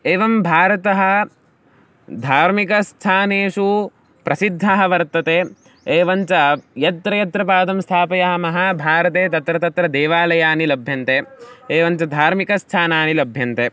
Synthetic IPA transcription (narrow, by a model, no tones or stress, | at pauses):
eːʋɐmbʱaːɾɐt̪ɐɦɐ̆ | d̪ʱaːɾmikɐst̪ʰaːneːʂu | pɾɐsid̪ʱːaːɦɐʋɐɾt̪ɐt̪eː | eːʋɐɲt͡ʃɐjɐt̪ɾɐjɐt̪ɾɐpaːd̪ɐmst̪ʰaːpɐjɐɦɐmɐɦɐbʱaːɾɐt̪eːt̪ɐt̪ɾɐt̪ɐt̪ɾɐd̪ɛːʋaːlɐjaːnilɐbʱjɐnt̪eːeːʋɐɲt͡ʃɐd̪ʱaːɾmikɐst̪ʰaːnaːnilɐbʱjɐnt̪eː